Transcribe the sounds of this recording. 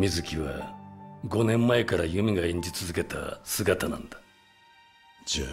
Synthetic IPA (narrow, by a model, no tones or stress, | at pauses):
mʲizɨkʲiβa̰ | ɡo̞nẽ̞mːae̞kaɾajɯ̟mʲiɡaẽ̞ɲ̟d͡ʑit͡sɨzɨke̞t̪a̰sɨɡat̪anã̰nd̪ḁ